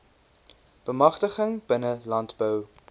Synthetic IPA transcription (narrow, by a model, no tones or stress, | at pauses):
b̥əmɐχtəχəŋb̥ənəlɐntbœw